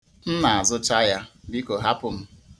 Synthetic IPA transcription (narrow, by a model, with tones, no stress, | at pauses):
n̩˦na˨a˨zʊ˦ta˦ja˦bi˦ko˨ɦa˦pʊ˨m̩˦